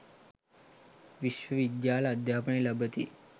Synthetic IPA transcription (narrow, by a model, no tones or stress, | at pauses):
ʋiʃʋəʋid̪jaləd̪ʱjapəɳiləbət̪ḭː